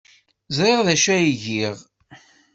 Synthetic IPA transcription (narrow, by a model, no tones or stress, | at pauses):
zˤɾeʁðæʃæjiʝiʁ